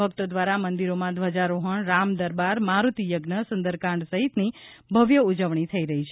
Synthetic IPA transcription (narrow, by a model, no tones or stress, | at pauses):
əkt̪od̪ʋaɾamənd̪iɾomãd̪ʱʋəd͡ʒaɾoɦəɳɾamd̪əɾbaɾmaɾut̪ijəɡnəsənd̪əɾkãɳɖsəɦit̪nibʱəʋjəud͡ʒəʋɳ̃it̪ʰəiɾəɦit͡ʃʰe